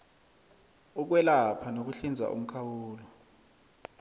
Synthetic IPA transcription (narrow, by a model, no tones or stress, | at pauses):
uk̬wɛlapʰanok̬uɬind͡zʱa̰ʔṵm̩kʰawuːlɔ